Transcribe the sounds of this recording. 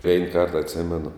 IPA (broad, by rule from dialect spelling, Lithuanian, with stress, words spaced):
ʋʲɛɪn kɐrt ɐtʲˈsʲɪmʲɛnʊ